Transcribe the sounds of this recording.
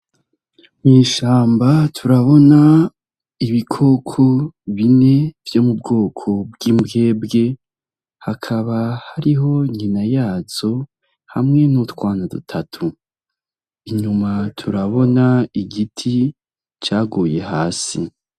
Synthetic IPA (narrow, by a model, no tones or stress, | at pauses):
miːʃaːmbatʰuɾaβo̞na | iβikʰo̞ːkʰo̞βine̞v̥jo̞mub̚ɡo̞ːkʰo̞bɡiːmbɡe̞ːbɡe̞ | hakʰaβahaɾiɦo̞ɲinajaːz̥o̞ | hamŋe̞nutwaːnadṵtʰatʰu | iɲumatʰuɾaβo̞naiɡitʰi | t͡ʃaːɡuje̞haːsḭ